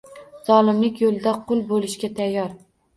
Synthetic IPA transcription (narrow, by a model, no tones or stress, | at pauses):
z̥ɒlˠɪmlɪkʲjolˠd̪aqʰʊlˠbolɪʃkʲat̪ʰajːɒɾ